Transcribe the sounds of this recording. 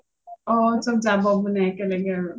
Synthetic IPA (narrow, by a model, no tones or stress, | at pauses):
ɔtodabɔbʊnɛkɛleɡeɾo